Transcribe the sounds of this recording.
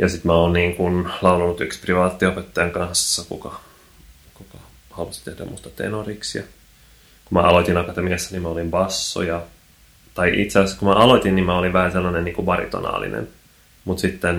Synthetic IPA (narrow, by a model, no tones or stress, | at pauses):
jɑsit̪mæoːnniːŋkunlɑulɑnut̪ykspriʋɑːt̪ːiopet̪ːɑjɑŋkɑnsːɑkukɑ | kukɑ | hɑluɑsi̥t̪ehdæ̰must̪ɑ̥t̪ḛnoriksjɑ̰ | kumæ̰ʔɑlot̪inɑkɑt̪emiɑsːænimæolimbɑsːo̰jɑ | t̪ɑiʔḭt̪seɑsːkumæʔɑlot̪ʲinnimmæoliʋʋæhænselːɑnenniːŋkumɑrḭt̪o̰nɑ̰ːlḭnḛn | mut̪sit̪ːen